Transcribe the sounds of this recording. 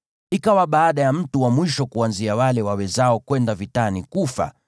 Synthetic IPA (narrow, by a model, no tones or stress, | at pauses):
ikawaɓaːɗajam̩tuwamwiʃɔkuanziawalɛwawɛzaɔkwɛndavitanikufa̰